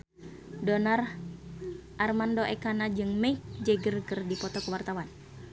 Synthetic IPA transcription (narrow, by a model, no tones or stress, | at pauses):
donar | ʔarmandoʔɛkanad͡ʒɨŋmɛik̚d͡ʒɛɡərɡərdipɔt̪ɔkəwart̪awan